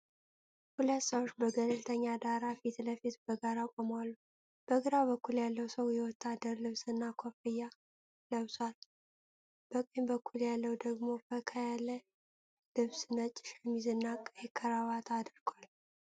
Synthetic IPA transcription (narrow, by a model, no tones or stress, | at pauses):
hulət̪ːsəwot͡ʃːbəɡəlɨlt̪ʰəɲːad̪aɾafit̪ləfit̪bəɡaɾakʼomwalːu | b̥əɡɨɾabəkːuljalːəwsəwjɛwɔt̪ʰːad̪ːəɾlɨβsɨnːakʰofɨjːa | ləβswal | b̥əkʼejmbəkːuljalːəwd̪əɡmo̞kəkʰəjalːə | lɨβsɨnət͡ʃʼːɪ̥ʃɛmːizɨnːakʼjɛkʰːəɾawat̪ʰad̪ɾɡ̥wal